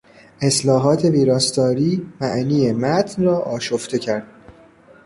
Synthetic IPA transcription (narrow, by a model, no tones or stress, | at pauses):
ʔe̞slɒːɦɒːt̪ʰe̞viːɾɒːst̪ɒːɾiːmæʔniːemæt̪ʰnrɒːʔɒːʃoft̪e̞cʰæɾd̪̥